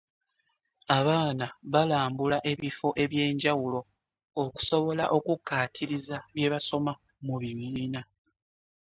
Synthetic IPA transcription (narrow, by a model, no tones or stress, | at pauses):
aβaːnaβalaːmbulaʔe̞βifo̞ʔe̞βje̞ːɲɟawulo̞ː | ku̥so̞βo̞la̰ʔo̞kukːaːtʰiɾizaβje̞βaso̞ma | muβiβiːna